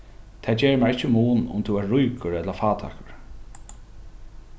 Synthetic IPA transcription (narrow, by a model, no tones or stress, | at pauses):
t̪ʰɛːd͡ʒɛːɹmaɹɪt͡ʃːəmuːnʊ̰mt̪ʰuaːujkʊɹɛt̪lafaːt̪ʰa̰ːkʊɹ